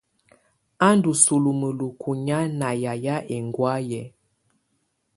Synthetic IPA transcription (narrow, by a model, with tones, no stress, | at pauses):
a˦ndu˨su˨lu˨mə˨lu˨kʰu˨ɲa˦na˨ja˨ja˦ʔe˨ŋɡwa˦jɛ˨